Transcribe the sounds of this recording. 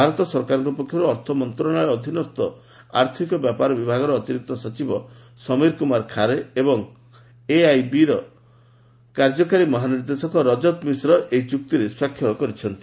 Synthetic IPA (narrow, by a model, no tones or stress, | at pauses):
bʱaɾɔt̪ɔsɔɾkaɾɔŋkupɔkʰjɔɾuɔɾt̪ʰɔmɔnt̪ɾɔɽ̃ɔjɔd̪ʱinɔst̪ɔ | aɾt̪ʰikɔbjapaɾɔbibʱaɡɔɾɔːt̪iɾik̚t̪ɔsɔt͡ʃibɔ | sɔmiɾkumaɾkʰaɾeebɔŋ | eajbiɾɔ | kaɾd͡ʒɔkaɾimɔɦaniɾd̪esɔkɔɾɔd͡ʒɔt̪misɾɔʔeit͡ʃuk̚t̪iɾeswakʰːjɔɾɔkɔɾit͡ʃʰɔnt̪i̥